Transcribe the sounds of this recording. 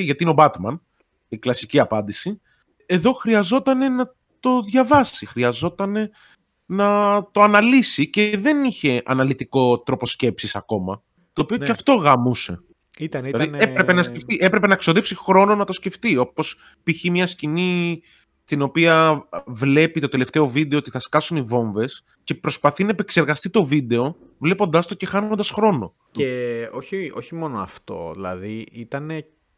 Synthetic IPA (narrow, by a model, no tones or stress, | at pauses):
iʝɐt̪iineo̞bɐt̪mɐn | iklɐsiciɐpɐnd̪isi | e̞ðo̞xɾiɐzo̞t̪ɐne̞nɐ | t̪o̞ðʝɐvɐsixɾiɐzo̞t̪ɐne̞ | nɐt̪o̞ɐnɐlisice̞ðe̞niçe̞ʔɐ̰nɐlit̪iko̞t̪ɾo̞po̞sce̞psisɐko̞mɐ̰ | t̪o̞ːpio̞eɐft̪o̞ɣɐmuse̞̰ | lɐðieɾepenɐsceft̪iʔepɾe̞pe̞nɐekso̞ðepsixɾo̞no̞nɐt̪osce̞ft̪io̞po̞s | piçimɲɐscini | st̪ino̞piɐvle̞pit̪o̞t̪ele̞ft̪e̞o̞vid̪e̞oot̪i̥θɐskɐsunivo̞ɱve̞s | ce̞pɾo̞spɐθinɐepe̞kse̞ɾɣɐst̪it̪o̞vid̪e̞o̞ | vle̞po̞nd̪ɐst̪o̞ce̞xɐnond̪ɐsxɾo̞no̞̰ | ceo̞çio̞çimo̞noɐ̰ft̪o̞̰ðilɐ̰ðiit̪ɐne